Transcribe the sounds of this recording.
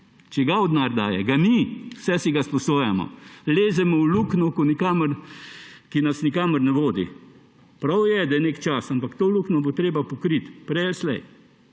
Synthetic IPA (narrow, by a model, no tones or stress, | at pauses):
t͡ʃɛɡaʊd̪naːɾd̪aːjɛ̰ɡamiwsɛsiɡaspɔsoːjamɔ̰leːzɛmɔwluːknɔkɔnikaːməɾ | kinasnikaːməɾnɛʋoːd̪ḭ | pɾawjɛd̪ɐjɛnekt͡ʃasampakt̪oluknɔbot̪ɾeːbapɔkɾit̪pɾɛjɛlslɛj